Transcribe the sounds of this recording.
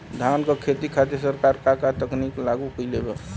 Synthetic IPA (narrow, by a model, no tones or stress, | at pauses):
d̪ʱankəkʰet̪ikʰat̪̬esəɾkaɾkakat̪əkniklaɡukəjlebe